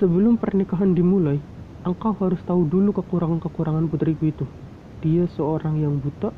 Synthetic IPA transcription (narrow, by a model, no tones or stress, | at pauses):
səbəlʊmpərnikaɦandimulai | ʔəŋkawɦaɾʊst̪audulukəkuɾaŋankəkuɾaŋanput̪ɾikuit̪u | d̥iasəoɾaŋjaŋbut̪aʔ